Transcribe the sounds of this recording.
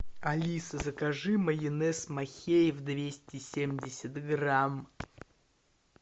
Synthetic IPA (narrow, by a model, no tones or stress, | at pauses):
ɐlʲisəzəkɐʐɨməjɪnɛsmɐxʲejɪvd̪vʲesʲtʲɪsʲemdʲɪsʲət̪ɡram